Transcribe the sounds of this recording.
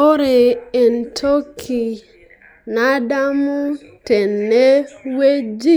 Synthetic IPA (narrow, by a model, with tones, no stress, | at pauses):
o˦ɾɪ˨e˨n̩˨tʰo˦kʰi˨ | na˦da˦mʊ˦ | te˨nː˨e˦we˦d͡ʒi˦